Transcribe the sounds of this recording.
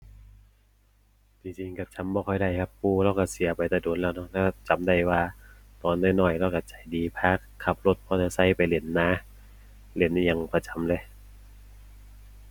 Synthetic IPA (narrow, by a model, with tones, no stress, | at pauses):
t͡ɕi˧ŋt͡ɕi˧ŋka˧˩t͡ɕʰa˨˧˦mbɔː˧kʰɔ˧˩jda˧˩jkʰa˧˩pːuː˧˩ɾaː˧˩wka˧˩si˨˦ɐpa˨jt̪ɛ˧˩doː˨˦nlɛː˧˩wnɔ˧˥k̚lɛː˧˩t͡ɕa˨˦mda˧˩jwaː˧ | t̪ɔː˨nːɔː˧˥˨jnɔː˧˩jɾaː˧˩wka˧˩t͡ɕa˨˩jdiː˨˦pʰaː˧˥˩kʰːa˧˩p̚lo˧˩t̪̚pʰɔː˧˩na˧sa˧˥˩jpa˨jle˨˩˦nːaː˧˥ | le˨˧˦nʔja˧ŋpa˧˩t͡ɕa˨˦mlɤ˧˦j